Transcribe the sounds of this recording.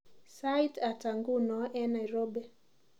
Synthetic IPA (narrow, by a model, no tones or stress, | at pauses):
sajtataŋɡunɔʔɛnajɾɔbɛ